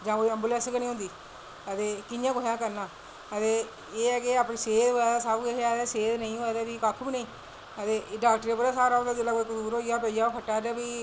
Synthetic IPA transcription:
d͡ʒãːoːiːəmbuːlɛ̃ːsəknĩːɦʊ̃nd̪iː | ət̪eːkɪnjãːkoɦjãːkəɾnãː | ət̪eː | eːɛːkeaːpnĩːseːd̪ɦoɛːd̪aːsabeɦad̪ɛːseːd̪nəĩːoɛːd̪aːdiːkakʰbiːnəĩː | ət̪eːɖaːkʈəɾeːpəɾaːsaːɾaːõnd̪aːd̪ɪlːaekʊsuːɾoːijaːpəijaːpʰəʈːaːɾabiː

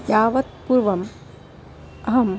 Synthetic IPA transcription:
jaːʋɐt̪̚puɾʋɐm | ɐɦɐm

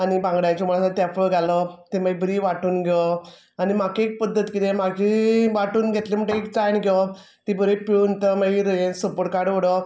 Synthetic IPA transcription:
anibãŋɡɽajt͡ɕɔmaɭasat̪jafəɡʱalət̪emaibəɾiːʋaʈuːnɡʱe | animakeek̚pəd̪ʱːət̪kit̪ẽmaɡiʋaʈuːnɡʱet̪leməɳʈeekt͡sajnɡʱe | t̪ibəɾepiɭuːnt̪əmaiɾəjensəpəɽkaɽʋəɽə

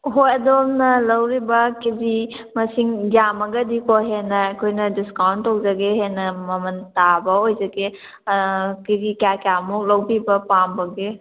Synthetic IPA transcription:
ɦojɐdomnɐlɐwɾibɐkizi | mɐsiŋɡjamɐɡɐdikoɦenɐɐkʰojnɐdiskawntːok̚zɐɡeɦenɐmɐmɐntabɐojzɐɡe | kizikakjamuk̚lɐwbibɐpambɐɡe

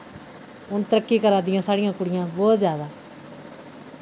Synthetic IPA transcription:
ʊnt̪əɾəkːiːkəɾaːd̪ɪjãːsaːɽɪjãːkʊɽɪjãːbɔːt̪zjaːd̪aː

